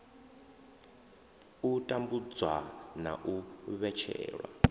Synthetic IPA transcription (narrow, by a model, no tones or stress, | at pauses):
utʼambud͡zwana̰ʔuβɛt͡ʃʰɛ̰ːɺwa̰